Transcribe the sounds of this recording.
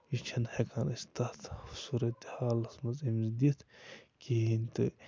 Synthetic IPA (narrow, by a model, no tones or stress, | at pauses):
it͡ʃʰɐnhekʰanɐst̪at̪suɾɐt̪i̥haːlɐsmɐzimzd̪it̪kʰiint̪ɨ